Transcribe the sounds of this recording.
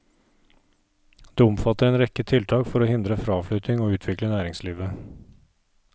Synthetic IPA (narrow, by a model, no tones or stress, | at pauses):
d̪̥eːʊmfɑt̪əɾɛːnɾɛkət̪ʰɪlt̪ʰɑːkfɔɾoːhɪnd̪ɾəfɾɑːfɭʏt̪ɪŋoːʉːt̪ʰʋɪklənæːɾɪŋsliːʋə